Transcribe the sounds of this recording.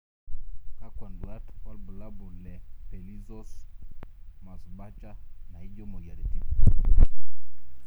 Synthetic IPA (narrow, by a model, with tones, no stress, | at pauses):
ka˦kwa˨ndu˨a˦ta˦lbu˨la˦bu˨lɛ˨pe˨li˦zɔ˦s | ma˨sba˦t͡ʃa˦na˨i˦d͡ʒɔ˦mɔ˨ɡi˨a̰˨le˨ti˦˨